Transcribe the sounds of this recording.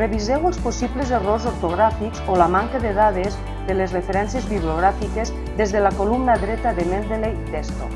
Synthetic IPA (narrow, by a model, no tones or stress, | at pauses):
reβizewəlˠsposiβlezerozoɾt̪oɣɾafikzolamaŋkaðeðaðez | ðelezrefeɾɛnsjezβiβlioɣɾafikez | ðezðelakolumnaðɾɛt̪aðemend̪ɾelet̪est̪o̰